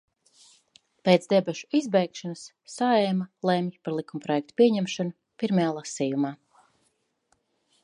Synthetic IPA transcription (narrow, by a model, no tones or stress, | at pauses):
pet̪zd̪ɛbɛʃu̥izbɛjkʃanasːaɛmalˠɛmpaɾlˠikumpɾɔjɛk̚t̪u̥pʲiɛɲɛmʃanu | piɾmajaːlˠasiːjumaː